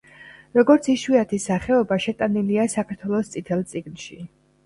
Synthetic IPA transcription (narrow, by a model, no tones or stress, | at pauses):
ɾɔɡɔɾt̪sʰiʃwiat̪ʰisaχɛɔbaʃɛt̪ʼaniliasakʰaɾt̪ʰwɛlˠɔst̪sʼit̪ʰɛlˠt̪sʼiɡnʃi